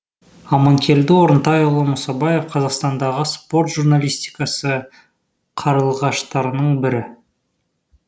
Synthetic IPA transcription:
ɑmɑŋkʲʰe̞ld̪ɪwoɾənt̪ɑjʊlˠəmʊsɑbɑje̞fqʰɑzɑqst̪ɑnd̪ɑʁəspo̞rt̪ʒ̥urnalʲijst̪i̥jkɑsə | qʰɑɾəlˠʁɑʃt̪ɑɾənəɴbɪɾɪ

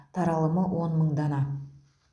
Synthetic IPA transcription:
t̪ʰɑɾɑlˠəməwo̞nməɴd̪ɑnɑ

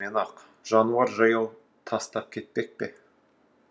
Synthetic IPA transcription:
enɑq | ʒ̥ɑnuɑɾʒɑjəlˠ | t̪ʰɑst̪ɑp̚kʲʰe̞t̪̚pe̞k̚pe̞

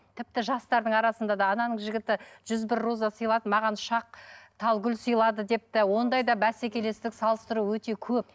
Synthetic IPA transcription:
t̪ʰɪp̚t̪ɪʒɑst̪ɑɾd̪əɴɑɾɑsənd̪ɑd̪ɑːnɑnəɴʒɪɡʲɪt̪ɪʒ̥ʏzbɪɾːozɑsəjlˠɑd̪əmɑʁɑnʃɑq̚t̪ʰɑlˠɡʲʏlsəjlˠɑd̪əd̪e̞p̚t̪ɪwo̞nd̪ɑjd̪ɑbæsekʲe̞le̞st̪ɪksɑlˠəst̪əɾuwɵt̪e̞kʲʰɵp̚

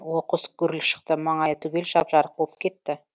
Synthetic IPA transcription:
woqəskʰʲʏɾɪlʃə̥q̚t̪əmɑɴɑjət̪ʰɵɡʲe̞lʃɑpʒɑɾəq̚bop̚kʲʰe̞t̪ːɪ

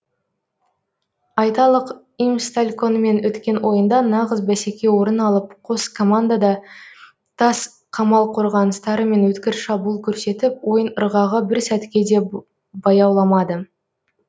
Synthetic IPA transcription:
ɑjt̪ɑlˠəq | imst̪alʲko̞nme̞nʔɵt̪kʲe̞nwʔo̞jənd̪ɑnɑʁəzbæse̞kʲe̞wo̞ɾənɑlˠəp̚qʰo̞skʰo̞mand̪ad̪ɑ | t̪ʰɑs | qʰɑmɑlˠqʰo̞ɾʁɑnəst̪ɑɾəme̞nwɵt̪kʲɪɾʃɑbuːlˠkʲʰɵɾse̞t̪ɪp̚wo̞jənəɾʁɑʁəbɪɾsæt̪kʲe̞d̪e̞ | bɑjɑwlˠɑmɑd̪ə

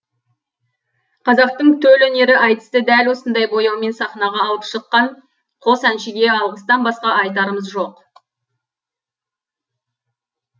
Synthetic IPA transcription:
qʰɑzɑq̚t̪əɴt̪ʰɵlɵne̞ɾɪʔɑjt̪ə̥st̪əd̪ælwo̞sənd̪ɑjbo̞jɑwme̞nsɑχnɑʁɑːlˠəpʃəqːɑɴ | qʰo̞sænʃɪɡʲe̞ɑlˠʁəst̪ɑnbɑsqɑɑjt̪̬ɑɾəməzʒo̞q

